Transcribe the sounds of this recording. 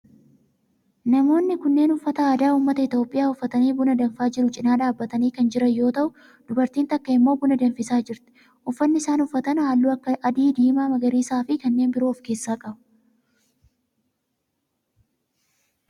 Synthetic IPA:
nɐmo̞ːnːɪkʊnːe̞ːnʊfːɐt̪ɐaːd̪aːuːmːɐt̪ɐɪt̪jo̞ːpʼːɪjaːʊfːɐt̪ɐniːbʊnɐd̪ɐnfaːd͡ʒɪɾʊt͡ʃʼɪnaːᶑaːbːɐt̪ɐniːkɐnd͡ʒɪɾɐjo̞ːt̪ɐʔʊ | d̪̥ʊbɐɾt̪iːnt̪ɐkːɐɪmːo̞ːbʊnɐd̪ɐnfɪsaːd͡ʒɪɾt̪ɪ̥ | ʔʊfːɐnːɪsaːnʊfːɐt̪ɐnhaːlːuːɐkːɐʔɐd̪iːd̪iːmaːmɐɡɐɾiːsaːfɪkɐnːe̞ːnbɪɾoːfkeːsːaːkʼɐbɐ̥

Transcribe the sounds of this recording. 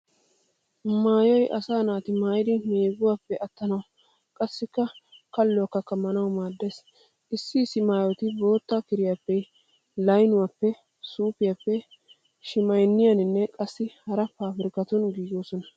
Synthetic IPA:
maːjɔjʔɐsaːnaːt̪ɪmaːjɪd̪ɪmeːɡʊwaːpːɛʔɐt̪ːɐnɐw | kʼɐsːɪkːɐkɐlːɔwɐkːɐkːɐmːɐnɐwmaːd̪ːes | ʔɪsːɪːsːɪmaːjɔt̪ɪbo̞ːt̪ːakɪɾɪjapːɛ | lɐjnʊwaːpːɛ | suːpɪjapːɛ | ʃɪmɐjnːɪjɐnɪnːɛkʼɐsːɪhɐɾɐfaːfɪɾɪkɐt̪ʊnɡiːɡoːsɔnɐ

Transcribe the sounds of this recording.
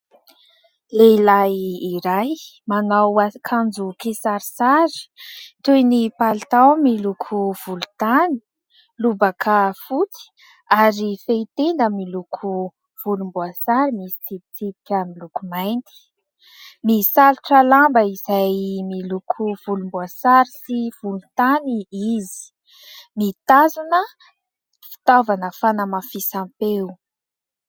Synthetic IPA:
leilajiɾajmanawakʰand͡zukesaɾisaɾi̥t̪ujnipalt̪awmilukʰuv̥ulu̥t̪ani̥ | lubakʰəfut͡si̥ | aɾifeit̪end̪əmilukʰu | v̥ulumbuasaɾimisi̥t͡sib̚it͡sip̪i̥kʲamilukumajnt̪i̥ | nisaluʈ͡ʂəlambəizajmilukʰuv̥ulumbuasaɾisiv̥ulut̪aniizi̥ | nit̪azunə | fi̥t̪ovanəfanəmafisampew

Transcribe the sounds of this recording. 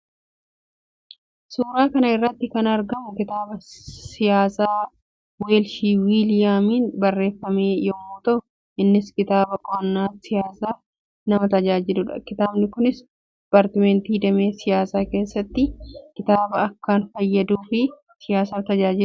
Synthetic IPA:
suːɾaːkɐnɐɪrːɐt̪ːɪkɐnɐɾɡɐmʊkɪt̪aːbɐsɪjaːsaː | weːlʃiːwiːlɪjaːmiːnbɐrːe̞ːfːɐme̞ːjɔmuːt̪ɐʔʊ | ʔɪnːɪskɪt̪aːbɐkʼɔɐnːaːsɪjaːsaː | nɐmɐt̪ɐd͡ʒaːd͡ʒɪlʊᶑɐ̰kɪt̪aːbnɪkʊnɪs | dɪpaːɾt̪ɪmɛnt̪iːd̪ɐme̞ːsɪjaːsaːke̞ːsːɐt̪ːɪkɪt̪aːbɐɐkːaːnfɐjːɐd̪uːfɪ | sɪjaːsaːt̪ɐd͡ʒaːd͡ʒɪlʊ

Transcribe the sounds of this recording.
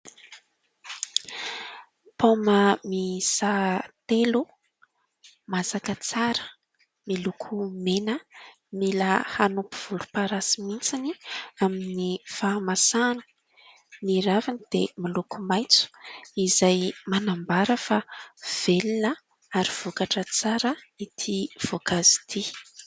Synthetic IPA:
poməmisat̪elu | masakət͡saɾə̥ | milukʰumenə | miləhanupu̥v̥ulupaɾasimint͡siniaminifamasanu̥ | miɾavinid̪̥emilukumajt͡su̥izajmanambaɾəfav̥elinə | aɾiv̥ukaʈ͡ʂət͡saɾə | it̪ʰiv̥okazi̥t̪ʰi

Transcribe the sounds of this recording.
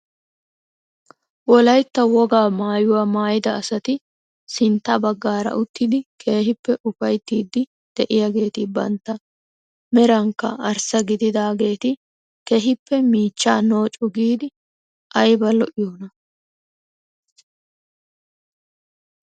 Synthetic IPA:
wɔlɐjt̪ːɐwɔɡaːmaːjʊwaːmaːjɪd̪ɐɐsɐt̪ɪ | sɪnt̪ːɐbɐɡːaːɾɐ̰ʔʊt̪ːɪd̪ɪkʰe̞ːɦɪpːɛʔʊfɐjt̪ːiːd̪ːɪ | d̪̥ɛʔɪjaɡe̞ːt̪ɪbɐ̰nt̪ːɐ | mɛɾɐŋkːɐ̰ɐɾsɐɡɪd̪ɪd̪aːɡe̞ːt̪ɪ | keɦɪpːɛmiːt͡ʃːaːno̞ːt͡ʃʼʊɡiːd̪ɪ | ʔɐjbɐlɔʔɪjoːnɐ

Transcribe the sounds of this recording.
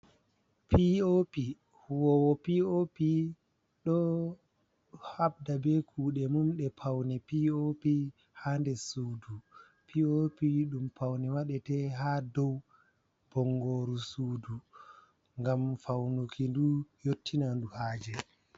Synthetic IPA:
pʰiopi | huwɔwɔpiopi | ɗɔ | habdabɛkʰuːɗɛmumɗɛpʰawnɛpiopi | handɛsudu | pʰiopiɗumpawnɛwaɗɛtɛɦadɔw | b̥ɔŋɡoːɾusuːdu | ŋɡamfawnukʰindujotːinanduhaːd͡ʒɛ

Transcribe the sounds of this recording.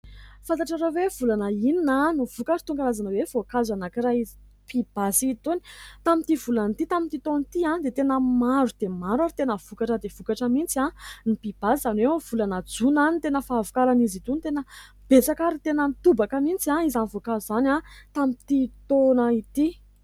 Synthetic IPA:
fant̪aʈ͡ʂaɾowev̥ulanəininanuv̥ukaʈ͡ʂi̥t̪uŋɡaɾazanəwev̥okazanakiɾaizi | pʰib̥asit̪uni̥t̪amint̪ivulant̪it̪amint̪it̪ont̪iãd̪et̪enəmaɾud̪̥emaɾaɾit̪enəv̥ukaʈ͡ʂəd̪ev̥ukaʈ͡ʂəmint͡siãnipib̥asizanwewv̥ulanad͡zunanit̪enəfaːvukaɾanizit̪unt̪enə | b̥et͡sakaɾit̪enənt̪ubakəmint͡siãizanivokazuzanãt̪amit̪it̪onəit̪i

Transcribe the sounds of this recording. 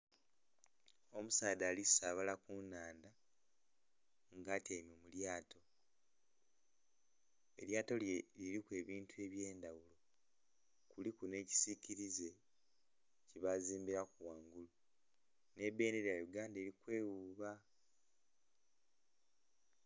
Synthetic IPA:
o̞musaːdaːlisaːβalakunːaːnda | ŋɡaːteːmjo̞ːmuljaːtʰo̞ | e̞̰ljaːto̞ljeliɾikwe̞ːβiːntue̞ːβje̞ːndawulo̞ | kulikune̞ːci̥siciɾize̞ | ciβaziːmbiɾakuwaːŋɡulu | ne̞be̞ːneɾejajuɡaːnde̞ːɾikwe̞ːwuːβa

